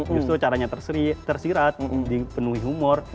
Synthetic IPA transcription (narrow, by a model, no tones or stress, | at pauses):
d͡ʒust̪ɾut͡ʃaɾaɲat̪ərsit̪ərsiɾat̪̚dipənuɦiɦumʊr